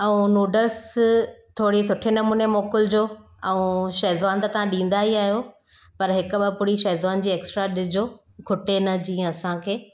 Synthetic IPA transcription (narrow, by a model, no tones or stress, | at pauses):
ɛ̃ũnuːɖəs | t̪ʰoːɽisʊʈʰenɐmuːnemoːkʊld͡ʑoː | ɛũʃɐɦzʋaːnt̪ɐt̪ɐʋ̤ãɗĩːn̆d̪aɦiaːɦijo | pɐɾɦɪkʊ̆ɓɐpʊɾiʃɐːzʋaːnd͡ʑiːeːksʈɾaɗɪd͡ʑoː | ɡʱʊʈenɐd͡ʑĩːẽɐsãkʰeː